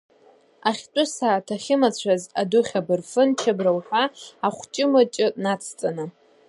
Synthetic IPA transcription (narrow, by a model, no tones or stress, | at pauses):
aχʲtʷʼʊsaːtʰaχʲɪmat͡ɕʷʰazadʊχʲabɨrfɨnt͡ʃʰabrawħʷᶣaaχʷt͡ʃʼɪmat͡ʃʼɪnat͡sʰt͡sʼanɨ